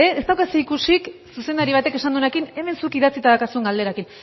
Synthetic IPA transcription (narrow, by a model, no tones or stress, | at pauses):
eest̪awkasuikusiksuse̞nd̪aɾiβ̞at̪e̞ke̞sand̪unekine̞me̞nsukiðat͡sit̪aðakasue̞ŋɡald̪e̞ɾakin